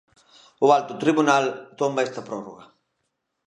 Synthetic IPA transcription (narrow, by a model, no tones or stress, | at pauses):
ualt̪ut̪ɾiβunalt̪ombaɛst̪apɾɔro̰ɣa